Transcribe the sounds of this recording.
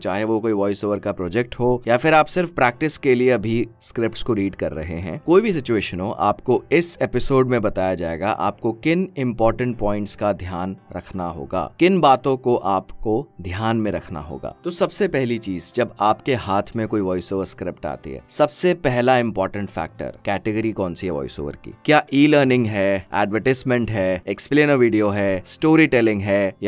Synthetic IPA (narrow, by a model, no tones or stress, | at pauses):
t͡ʃaːɦeʋokoːiʋɔːɪsoːʋəɾkapɾoːd͡ʒɛk̚ʈɦojafɪɾaːpsɪɾfpɾɛːk̚ʈɪskeliebʱiskɾɪpʈskoɾiːɖkɐɾːɐ̰ɦeɦɛ̰̃ːkoːibʱis̬ɪt͡ʃueːʃənɦoʔa̰ːpkoɪseːpɪsoːɖmẽbɐt̪aːjad͡ʒaːḛːɡa̰ʔa̰ːp̚kokɪnɪ̃mpɔːɾʈə̃ɳʈ̚pɔ̃ːɪ̃ɳʈskad̪ʱjaːnɾɐ̰kʰna̰ɦo̰ːɡa̰ːkɪnbaːt̪õkoʔaːpkod̪ʱjaːnmẽɾɐkʰna̰ɦo̰ːɡa̰ːt̪osɐbsepɛɦlit͡ʃiːzd͡ʒɐbaːpkeɦaːt̪ʰmẽkoːiʋɔːɪsoːʋəɾskɾɪpʈa̰ːt̪ḭɦɛ̰ːsɐbsepɛɦlaɪ̃mpɔːɾʈə̃ɳʈfɛ̰ːk̚ʈə̰ɾkɛːʈɪɡəɾikɔ̃ːnsiʋɔ̰ːɪso̰ːʋə̰ɾkḭːkjaːʔiːləːɾnɪ̃ŋɡɦɛɛ̰ːɖʋəɾʈɪsmɛ̃ɳʈɦɛːekspleːnəɾʋiːɖijoɦɛːsʈoːɾiʈɛlɪ̃ŋɡɦɛja